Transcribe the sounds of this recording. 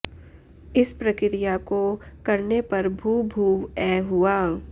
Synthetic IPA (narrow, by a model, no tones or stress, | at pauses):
ɪspɾɐkɾɪjakokɐɾnepɐɾbʱuːbʱuːɛːɦuaː